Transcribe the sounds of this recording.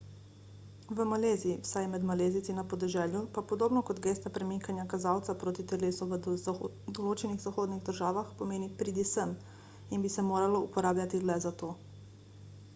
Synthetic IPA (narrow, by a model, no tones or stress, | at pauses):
ʋəmaleːziwsajmɛd̪maleːzit̪t͡s̪inːapɔd̪ɛʒɛːljupapɔd̪oːbnɔkɔd̪ɡeːst̪apɾɛmiŋkanjakazaːwt̪sapɾoːt̪it̪ɛleːsuʋ | d̪ɔloːt͡ʃɛniɣzaxoːd̪niɣd̪əɾʒaːʋaxpɔmeːnipɾid̪isəm | inbisɛmoːɾalɔupɔɾaːblʲjat̪ilɛzat̪oː